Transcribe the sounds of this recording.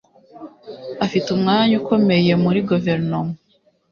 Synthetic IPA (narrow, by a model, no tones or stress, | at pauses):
afitumŋaːɲuko̞me̞je̞muɾiɡuve̞ɾnoma